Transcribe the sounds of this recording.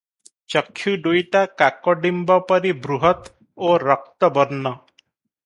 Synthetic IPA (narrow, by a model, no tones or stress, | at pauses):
t͡ʃɔkʰːjuɖujʈakakɔɖimbɔpɔɾibɾuɦɔt̪ | oɾɔk̚t̪ɔbɔɾnɔ